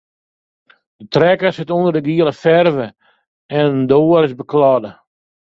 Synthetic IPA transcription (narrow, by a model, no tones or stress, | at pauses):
dətrɛkəsɪtundərdəɡiəlˠəfɛrvə | ɛnəndoːəɾɪsbəklɑdə